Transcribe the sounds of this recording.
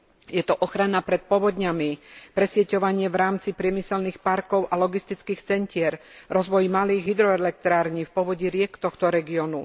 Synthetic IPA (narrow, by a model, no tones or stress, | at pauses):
jɛt̪ɔʔɔxɾanapɾɛt̪̚pɔʋɔd̪ɲamipɾɛsɪɛcɔʋaɲɪɛʋɾaːmt͡sipɾɪɛmisɛlnixpaɾkɔʊʔalɔɡist̪it͡skiːxt͡sɛɲcɪɛɾɾɔzʋɔjmaliːɣɦid̪ɾɔɛlɛk̚t̪ɾaːɾɲiːfpɔʋɔɟiɾɪɛkt̪ɔxt̪ɔɾɛɡiɔnu